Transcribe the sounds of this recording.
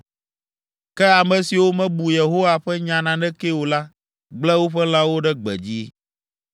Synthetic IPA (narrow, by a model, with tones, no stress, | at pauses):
kɛ˦a˨mɛ̃˨si˨wo˦mɛ̃˦bu˨je˨ɦo˦wa˨ɸɛ˦ɲã˨nã˨nɛ̃˦ke˦o˨la˦ | ɡ͡blɛ˦wo˦ɸɛ˦la˦wo˦ɖɛ˦ɡ͡bɛ̰˨d͡ʑi˦